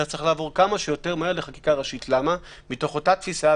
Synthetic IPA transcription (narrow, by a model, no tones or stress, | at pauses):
at͡sʁeχlaːvo̞ʁkamaʃejo̞te̞ʁmaeʁleχaki̥kaʁaʃitlama | mito̞χo̞tat̪fisa